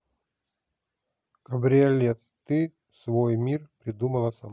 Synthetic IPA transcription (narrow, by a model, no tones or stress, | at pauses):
kɐbɾʲielʲɛt̪ | t̪ɨ | svojmʲirpɾʲɪd̪umɐlˠɐsɐm